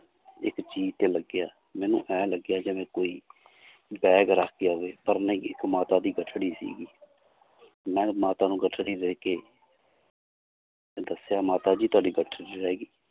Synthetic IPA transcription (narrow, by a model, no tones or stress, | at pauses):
ɪ̰kt͡ʃiːd͡ʒt̪eːləɡːɪjaː | mɛ̃ːnṵ̃ːʔɛ̃ːləɡɪjaːd͡ʒeːmɛ̃ːkoːiː | bɛːɡɾəkʰɡɪjaːɦoeːpəɾnəĩːɪkmaːt̪aːd̪iːɡəʈʰɽiːsḭːɡiː | mɛ̃ːmaːt̪aːnũːɡəʈʰɽiːɾeːkeː | d̪əsejaːmaːt̪aːd͡ʒiːt̪ʊaːɖiːɡəʈʰɽiɾɛːɡiː